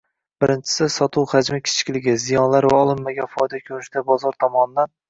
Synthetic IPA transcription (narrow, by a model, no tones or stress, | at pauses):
b̥ɪɾɪnt͡ʃʰɪ̥sɪsɒt̪ʰuwhad͡ʒmɪkʲʰɪ̥t͡ʃʰkʲlɪɡʲɪzijɒnlaɾvaɒlˠɪmːaɡʲafɒjd̪akʲʰɵɾɪʃt̪abɒzɒɾt̪ʰɒmɒnɪd̪an